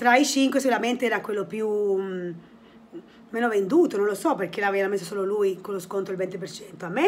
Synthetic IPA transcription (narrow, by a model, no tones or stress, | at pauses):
t̪ɾait͡ʃiŋkwesikuɾament̪eɛːɾakwelːopju | mɛːnovend̪uːt̪onõnlosɔperk̟elavɛanamesːosoːlolujkolːoskont̪od̪lvɛnt̪epert͡ʃɛnt̪oamːe